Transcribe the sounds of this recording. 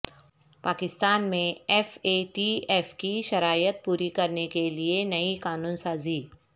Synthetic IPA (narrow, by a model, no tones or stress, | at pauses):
paːkɪst̪aːnmẽɛːfeʈiɛːfkiʃɐɾaːjət̪̚puːɾikɐɾnekelienɐikaːnuːnsaːziː